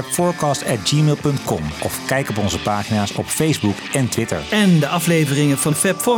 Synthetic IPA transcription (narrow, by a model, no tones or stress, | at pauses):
ɛpfɔːɹkɑːstɛt̚d͡ʒiːmeːlˠpɵntkɔmʔɔ̰fkɛjkɔp̬ɔnzəpaːχinaːsɔ̰pfejzbukɛntʋɪtə̰ɹɛndəʔɑflejvərɪŋəvɑnfɛpfɔ